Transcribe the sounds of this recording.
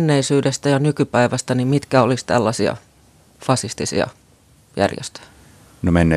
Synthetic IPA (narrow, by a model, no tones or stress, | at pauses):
nːeisyːdest̪æjɑnykypæiʋæst̪ænimmit̪kæolist̪æ̰lːɑsiɑ̰ | fɑsist̪isḭɑ̰ | jæ̰rjḛst̪ø̥jæ̥ | nomenːe